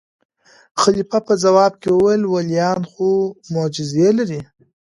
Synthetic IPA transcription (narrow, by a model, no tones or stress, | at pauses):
xalifapəzawɑb̚kewəwajlwaljɑnxomod͡ʒɪzelaɾi